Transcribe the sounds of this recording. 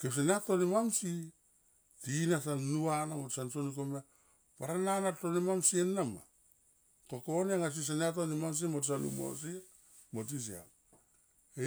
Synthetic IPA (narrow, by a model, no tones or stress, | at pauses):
keps̬eneatonimamsi | tinasanːuanamotsansonikoma | paɾananatonimamsienːama̰ | kokoneŋas̬is̬aneatonimams̬imotsanṵmo̰s̬i | mot̬is̬ia̰ | e